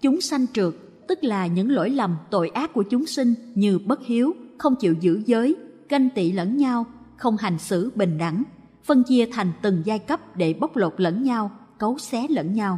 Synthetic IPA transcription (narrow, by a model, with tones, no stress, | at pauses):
t͡ɕʊ˨˦ŋ͡msa˧jŋ̟t͡ɕɨ˨˩ək̚ | t̪ɨ˦˥k̚laː˨˩ɲɨ̰˧˥ŋlo̰˧˥jlə˨˩mt̪o̰˧˨jʔaː˦˥k̚ku˧˩ət͡ɕʊ˨˦ŋ͡msï˧ŋ̟ɲɨ˧ɓə˦˥t̚hi˨˦əwxə˧wŋ͡mt͡ɕḭ˧˨wzɨ̰˧˥zəː˨˦jkə˧jŋ̟t̪ḭ˧˨lə̰˧˥nɲa˧w | xə˧wŋ͡mɦa˨˩jŋ̟sɨ̰˧˩ɓï˨˩ŋ̟ɗa̰˧˩ŋ | fə˧nt͡ɕi˧ət̪ʰa˨˩jŋ̟t̪ɨ˨˩ŋzaː˧jkə˦˥p̚ɗe˧˩ɓə˦˥wk͡p̚lo˨˩t̚lə̰˧˥nɲa˧wkə˨˦wsɛ˨˦lə̰˧˥nɲa˧w